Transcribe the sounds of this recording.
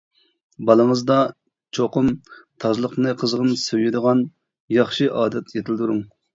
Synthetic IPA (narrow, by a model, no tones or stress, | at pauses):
bɑlˠəŋəzd̪ɑ | t͡ʃʰoqʊmt̪ʰɑʒlˠəqnɨqʰəzʁəmsøjɪd̪əʁɑn | jɑχʃɨʔɑːd̪ɛt̪ʰjet̪ʰɪld̪uɾuŋ